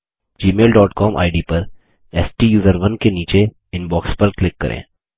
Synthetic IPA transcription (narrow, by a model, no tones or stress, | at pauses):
d͡ʒiːmeːlɖɔːʈkɔːmʔa̰ːɪɖipɐɾ | ɛːsʈijuːzəɾʋɐnkeniːt͡ʃe | ɪnbɔːkspɐɾklɪkːɐ̰ɾʔḛ̃ː